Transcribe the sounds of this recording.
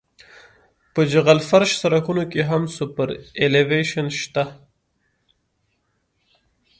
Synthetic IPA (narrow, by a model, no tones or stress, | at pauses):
pəd͡ʒaɣalfaɾʃsaɾakunokeɦamsupəɾeleveʃanʃt̪a